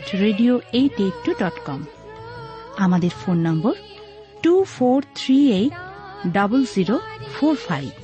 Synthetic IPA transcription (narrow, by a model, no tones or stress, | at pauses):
ʈɹeɖijoejʈeʈːuɖɔʈkɔm | amad̪eɹpʰonːɔmbɔɹ | ʈupʰoɾt̪ʰɾɹiejɖʌbɔlziɾopʰoɹpʰajb